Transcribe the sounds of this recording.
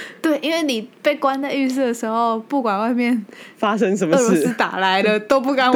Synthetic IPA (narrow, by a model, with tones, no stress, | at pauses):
t̪we˥˩ɪʔi˦˥nwe˥˩ɪni˨˩pe˥˩ɪkwa˥nd̪ə˧y˥˧sɹ̩˥˩d̪ə˩ʂɻ̩˧˥xo˧ʊpu˥˩kwa˨˩nwa˥˧ɪmjɛ˥˩nfa˥ʂə˥ŋʂə˧˦nmə˥˩lo˧˥˩sɹ̩˥t̪a̰˨˩la˧˦ɪd̪ə˧t̪o˥ʊpu˥˩ka˨˦n